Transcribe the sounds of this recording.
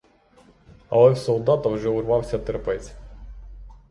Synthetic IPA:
ɐ̰lˠɛwsɔwd̪ɑt̪ɐwʒɛʊrʋɑwsʲɐt̪eɾpɛzʲ

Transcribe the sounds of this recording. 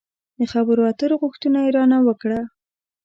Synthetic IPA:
d̪əxabəɾoat̪əɾoɣʊxt̪unaiɾɑnawəkɽa

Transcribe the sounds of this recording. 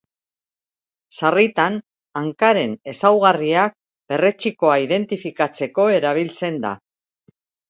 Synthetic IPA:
sarit̪an | aŋkaɾe̞ne̞sawɣ̞ariak̚ | b̥e̞re̞t͡siko̞aiðe̞nt̪ifikat͡se̞ko̞e̞ɾaβ̞ilt͡se̞nd̪a̰

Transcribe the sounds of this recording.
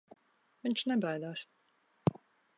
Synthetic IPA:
viɲʲt͡ʃnɛbajd̪aːs

